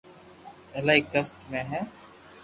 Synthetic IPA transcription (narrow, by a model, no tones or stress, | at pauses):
ɛːlaːikːəsʈmẽːɦɛ̃ː